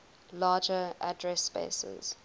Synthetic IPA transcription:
laːd͡ʒəʔa̰dɹɛspḛsə̰z̥

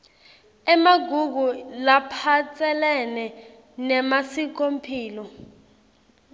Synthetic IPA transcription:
ɛmaɡʱuɡ̬ulapʰat͡sʼɛlɛnɛ | nɛmasik̬ompʰiːlɔ

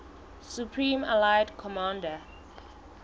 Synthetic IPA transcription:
supʰɹĩma̰lajdkʰɔmãndə

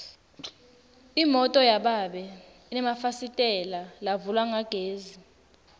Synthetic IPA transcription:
imɔtʼɔjaɓaɓɛ | inɛmafasitʼɛlalavulwaŋaɡ̥ʱeːzi

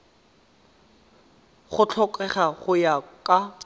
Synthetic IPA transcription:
χʊt͡ɬʰɔkʼɛχaχʊjakʼa

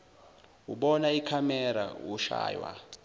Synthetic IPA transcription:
uɓɔnaikʰamɛɾa̰wuʃa̰ːjwa̰

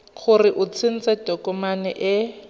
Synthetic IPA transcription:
χʰʊrɪʔʊt͡sʰɪn̩t͡sɛd̥ʱokʼɔmanɛʔɛ

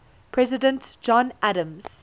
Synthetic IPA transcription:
pʰɹɛzɪdə̃ntd͡ʒɔ̃nʔaɾə̃mz̥

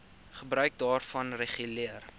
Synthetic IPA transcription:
χəbɾœɥk̚dɑːrfɐnreχyliər

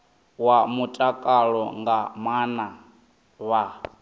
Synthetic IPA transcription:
wamutʼakʼaɺɔŋɡamana | βa

